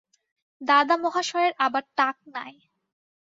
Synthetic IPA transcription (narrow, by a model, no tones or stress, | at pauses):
d̪ad̪amɔɦaʃɔeɾabaɾʈak̚na̰e